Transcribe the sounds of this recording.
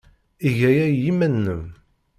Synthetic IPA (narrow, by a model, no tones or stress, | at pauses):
iʝæjæjimænːəm